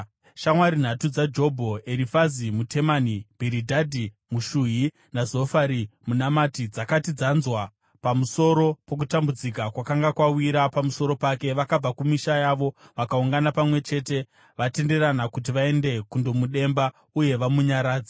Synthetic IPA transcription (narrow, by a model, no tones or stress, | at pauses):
ʃamwaɾin̤atud͡zad͡ʒo̞bʱo̞e̞ɾifazimute̞manib̥ʱiɾidʱadʱi | muʃuji | nazo̞faɾimunamatid͡zakatid͡zanzwa | pamuso̞ɾo̞po̞k̬utambud͡zikakwakaŋɡakwawiɾapamuso̞ɾo̞pake̞ʋakab͡vakumiʃajaːʋo̞ʋakauŋɡanapamwe̞t͡ʃe̞ːte̞ | ʋate̞nde̞ɾanakut̬iʋae̞nde̞kundo̞muɗe̞mba | uje̞ʋamuɲaɾaːd͡zḁ